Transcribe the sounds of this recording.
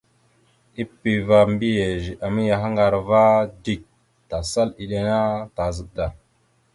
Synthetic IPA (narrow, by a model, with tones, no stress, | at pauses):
i˦pi˨va˨mbi˦je˨ʒi˨ʔa˨mi˦ja˨ɦa˦ŋɡa˨ɾva˦di˦˨k̚ | ta˨sa˦li˨ɗe˨na˦ta˨zə˨ʔda˨